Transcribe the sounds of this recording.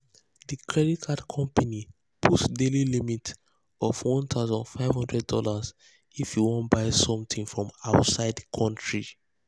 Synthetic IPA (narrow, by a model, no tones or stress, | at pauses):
ðikʰɹɛɾikʰadkʰɔ̃mpani | b̥utsdelilimit | ɔvwɔ̃nt̪ʰaʊzɔ̃ndfaɪv̥hɔ̃ndɹɛddɔ̰laz | ifjuwɔ̃nbaɪsɔ̃mtĩŋfɹɔ̃maʊtsaɪdkʰɔ̃ntʰɹi